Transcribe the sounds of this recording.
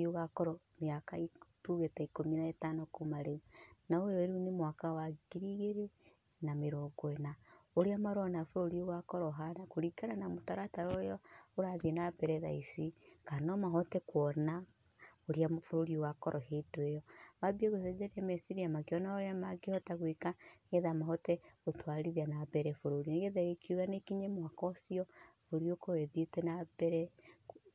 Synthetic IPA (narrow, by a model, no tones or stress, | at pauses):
ioɣakɔɾo | miakaituɣetaikominaetanokumaɾeunaooɾunemwakawaɡiɾiɣeɾe | nameɾoɡwenaoɾiamaɾonafuɾoɾioɣakɔɾoɦanakuɾikananamutaɾataɾoɾeooɾaðienapeɾeða̰isikanɔmaɦɔtɛkwɔna | oɾiafuɾoɾiowakɔɾʔɔhedwejɔmabieɣosed͡ʒeɾɛmesiɾiamakɔnaoɾeamaɡihɔtaɣwekaɣeðamahɔtɛɣotwaɾiðianabɛɾɛfoɾoɾineɣeðaekʰjuɣanekiɲemwakɔsiɔfoɾiokoɾeðetɛnabɛɾɛ